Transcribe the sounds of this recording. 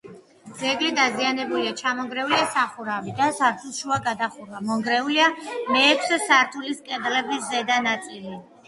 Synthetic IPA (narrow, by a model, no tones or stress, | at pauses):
d̪z̥ɛɡlid̪azianɛbuliat͡ʃʰamɔŋɡɾɛuliasaχuɾavid̪asaɾt̪ʰulˠʃuaɡad̪aχuɾvamɔŋɡɾɛuliamɛːkʰsɛsaɾt̪ʰuliskʼɛd̪lɛbisːɛd̪anat̪sʼili